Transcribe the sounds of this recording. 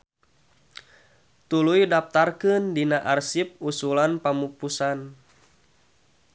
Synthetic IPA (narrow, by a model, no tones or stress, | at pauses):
t̪ulujdap̚t̪arkɨndinaʔarsip̚usulanpamupusan